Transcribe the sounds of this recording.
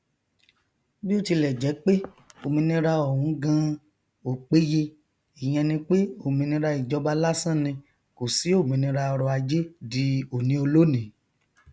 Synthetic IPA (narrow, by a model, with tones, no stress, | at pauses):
bi˦o˦ti˧lɛ˨d͡ʒɛ˨˦k͡pe˦ | o˨mĩ˧nĩ˧ɾa˧ɔ˨hũ˨˦ɡã˧ | o˨k͡pe˦je˧ | i˨j̃ɛ̃˧nĩ˧k͡pe˦o˦˨mĩ˧nĩ˧ɾa˧i˨d͡ʒɔ˧ba˧la˦sã˦˨nĩ˧ | ko˨si˨˦o˦˨mĩ˧nĩ˧ɾa˧ɔ˧ɾɔ˧a˧d͡ʒe˦di˨˦o˨nĩ˦o˧lo˦nĩ˨˦